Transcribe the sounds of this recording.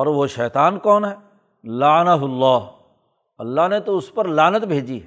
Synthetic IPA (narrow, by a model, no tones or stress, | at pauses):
ɔːɾʋoʃɛːt̪aːnkɔːnɦɛː | laːnaɦʊlːaːɦ | ɐlːaɦnet̪oʊspɐɾlaːnət̪bʱeːd͡ʒi